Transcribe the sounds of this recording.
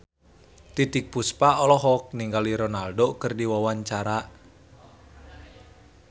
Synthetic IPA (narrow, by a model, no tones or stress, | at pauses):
t̪it̪ik̚puspaɔlɔɦɔk̚niŋɡaliɾɔnaldokərdiwawaɲt͡ʃaɾaʔ